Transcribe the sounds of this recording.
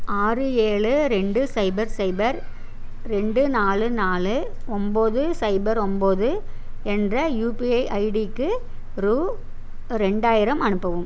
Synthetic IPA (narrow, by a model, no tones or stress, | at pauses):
aːrɯeːɭɯɾɛɳɖɯsɐɪbɐɾsɐɪbɐɾ | ɾɛɳɖɯnaːlɯnaːlɯ | ɔmboːðɯsɐɪbɐɾɔmboːðɯɛndrɐjuːpiɐɪʔɐɪɽikːɯ | ɾuː | ɾɛɳɖaːjɪɾɐmɐnɯpːɐʋɯm